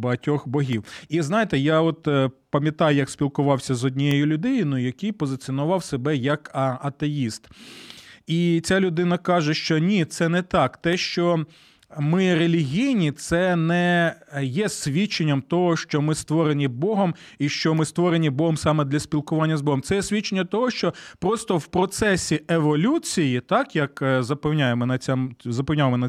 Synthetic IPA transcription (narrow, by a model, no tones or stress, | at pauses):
bɐɦɐtʲɔxbɔɦʲiwiznɑjet̪ɛjaɔt̪pɐmʲjɐt̪ɑjʊjɐksʲpʲilˠkʊʋɑwsʲɐzɔdʲnʲijɛjʊlʲʊd̪ɪjʊnʊjʊjɐkɪjpɔzɪt͡sʲiɔnʊʋɑwsebɛjɐkɐt̪ejist̪ | it͡sʲalʲʊd̪ɪnɐkɑʒɛʃt͡ʃɔnʲit̪sɛnɛt̪ɑkt̪ɛʃt͡ʃɔ | mɪrelʲiɦʲijnʲit̪sɛnɛjɛsʲʋʲit͡ʃːenʲːɐmt̪ɔɦɔʃt͡ʃɔmɪst̪ʋɔɾenʲibɔɦɔm | iʃt͡ʃɔmɪst̪ʋɔɾenʲibɔɦɔmsɑmɛd̪lʲɐsʲpʲilˠkʊʋɑnʲːɐzbɔɦɔmt̪ɛjɛsʲʋʲit͡ʃːenʲːɐt̪ɔɦɔʃt͡ʃɔpɾɔst̪ɔwpɾɔt̪sɛsʲieʋɔlʲut͡sʲijit̪ɑkjɐkzɐpɛwnʲajemɔnɐt͡sʲamzɐpewnʲaʋmɔnɐ